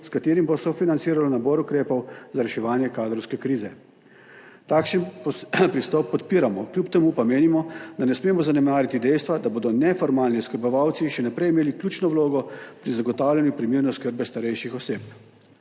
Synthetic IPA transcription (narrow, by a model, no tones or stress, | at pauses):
skat̪eːɾimbɔsɔfinant̪siːɾalɔnabɔɾukɾeːpɔwzaɾɛʃɛʋaːnjɛkaːd̪ɾɔwskɛkɾiːzɛ | t̪aːkʃənpɾist̪ɔpːɔt̪piːɾamɔkljupt̪ɛmuːpameːnimɔd̪anɛsmeːmɔzanɛmaːɾjit̪id̪ɛjst̪ʋad̪aboːd̪ɔnɛfɔɾmaːlniɔskəɾbɔʋawt̪siʃɛnapɾɛjimeːliklʲjuːt͡ʃnɔwloːɡɔpɾizaɡɔt̪aːwlʲanjupɾimiːɾnɔskəɾbɛst̪aɾɛjʃixɔseːp